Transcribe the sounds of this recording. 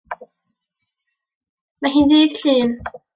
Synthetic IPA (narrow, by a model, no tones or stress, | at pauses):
maɦiːnðiːð̥ɬiːn